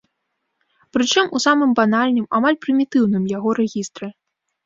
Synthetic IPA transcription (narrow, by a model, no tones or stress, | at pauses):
pɾɨt͡ʂɨmʔusamɨmbanalʲnɨmamalʲpɾɨmʲit̪ɨwnɨmjaɣɔɾɛɣʲist̪ɾɨ